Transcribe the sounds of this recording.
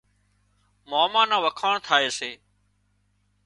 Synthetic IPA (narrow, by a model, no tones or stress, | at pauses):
moːmãːnãːʋəkʰaːɳt̪ʰaːeːseː